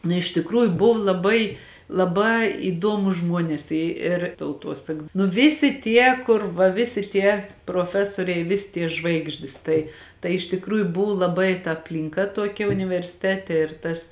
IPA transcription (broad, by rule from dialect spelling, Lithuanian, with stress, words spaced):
nʊ ɪʃ tʲɪkˈruːjʊ ˈbʊw lˠɐˈbɐɪ lˠɐˈbɑː iːˈduɔmʊs ˈʒmuɔnʲɛs ˈɪ ɪr tɐʊˈtuɔsɐk nʊ ˈʋʲɪsʲɪ ˈtʲiɛ ˈkʊr ʋɐ ˈʋʲɪsʲɪ ˈtʲiɛ proːˈfʲæːsoːrʲɛɪ ˈʋʲɪsʲɪ tʲiɛ ˈʒʋɐɪɡʒʲdʲɪs ˈtɐɪ tɐɪ ɪʃ tʲɪkˈruːjʊ ˈbʊʋʊ lˠɐˈbɐɪ tɐ ɐpʲlʲɪŋˈkɐ ˈtuɔkʲɛ ʊnʲɪʋʲɛrʲsʲɪˈtʲæːtʲɛ ɪr ˈtɐs